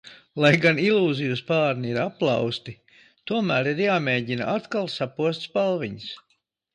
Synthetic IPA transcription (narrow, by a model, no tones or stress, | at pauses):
lˠajɡanilˠuːzijuspaːɾniiɾapːlˠɑ̰wst̪i | t̪uɔmæːɾiɾjaːmeːɟina̰ʔat̪kalˠsapuɔst̪spalˠʋiɲs